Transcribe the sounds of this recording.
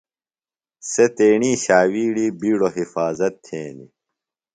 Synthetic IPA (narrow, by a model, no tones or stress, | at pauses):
set̪eːɳiːɕaːwiːɽiːbiːɽoɦifaːzɐt̪ʰːeːnḭ